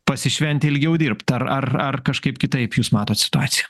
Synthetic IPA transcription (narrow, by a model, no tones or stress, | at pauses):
pɐsʲɪʃʲʋʲɛnʲt̪ʲɪlʲɡʲɛʊd̪ʲiːɾpt̪ɐɾɐrɐrkɐʃkɐɪpkʲɪt̪ɐɪpjuːsmɑːt̪oːt̪sʲɪ̥t̪ʊɑːt̪sʲɪjɛ